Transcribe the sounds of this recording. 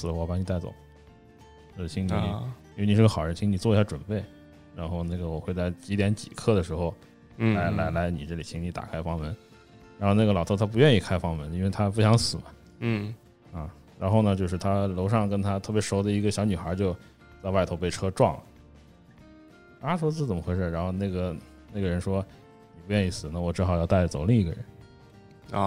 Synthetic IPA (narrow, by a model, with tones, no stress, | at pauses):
sɹ̩˨˩wɔ˧˩pɑ˧˥ŋni˨˩t̪a˥˩ɪt͡so̰˨˩˦ | t͡ɕjo˥˧ʂɻ̩˥˩t̪ʰi˧˥ŋn˨˩i˧˥˧ni˨˩ɻ̩˥˩ə˧xʊɻə˧˥nt̪ʰi˧˥ŋni˨˩t͡swɔ˥˧i˧˥ɕja˥˩ʈ͡ʂwə̰˨˩npe˥˩ɪ | ɻa˧˥nxo˥˧ʊna˥˩ɡə˩wɔ˨˩xwe˥˧ɪt͡sa˥˩ɪt͡ɕi˧˥t̪jɛ˧˥nt͡ɕḭ˨˩kʰɤ˥˩d̪ə˩ʂɻ̩˧˥xo˧ʊ | la˧˥ɪla˧˥ɪla˧˥ɪnḭ˨˩ʈ͡ʂɤ˥˩li˨˩t̪ʰi˧˥ŋni˧˥t̪a̰˨˩kʰa˥ɪfɑ˥ŋmə˧˥n | ɻa˧˥nxo˥˧ʊna˥˩ɡə˩lɑ˨˩ʊt̪ʰɤ˥˩t̪ʰa˥p̬u˧˥ɥɛ˥˧ni˥˧kʰa˥ɪfɑ˥ŋmə˧˥ni˥nwe˥˩ɪt̪ʰa˥p̬u˧˥ɕjɑ˧˥ŋsɹ̩˨˩mɐ˦˥˩ | ɐ˥˧ | ɻa˧˥nxo˥˩ʊnə˩t͡ɕjo˥˧ʊʂɻ̩˥˩t̪ʰa˥lo˧˥ʊʂɑ˥˩ŋkə˥nt̪ʰa˥t̪ʰɤ˥˩pjʂo˧˥ʊd̪ə˨i˧˥ɡə˧ɕjɑ˧˥ʊny˨˩xə˞˧˥t͡ɕjo˥˧ʊ | t͡sa˥˧ɪwa˥˩ɪt̪ʰo˧˥ʊpe˥˩ɪʈ͡ʂʰɤ˥ʈ͡ʂwɑ˥˩ŋlə̰˩ | a˥ʈ͡ʂʰo˥t͡sɹ̩˥˩t͡sə˨˩nmə˦˥xwe˥ʂə˥˩ɻa˧˥nxo˥˧ʊna˥˩ɡə˩ | na˥˩ɡə˩ɻə˧˥nʂwɔ˥ | ni˨˩pu˧˥ɥɛ˥˧ni˥˩sɹ̩˨˩˦nə˥˩wɔ˨˩ʈ͡ʂɻ̩˥˩xɑ˨˩ʊjɑ˥˧ʊt̪a˥˩ɪə˩t͡so˨˩ʊli˥˩ŋi˧˥ɡə̰˧ɻə̰˧˥n˧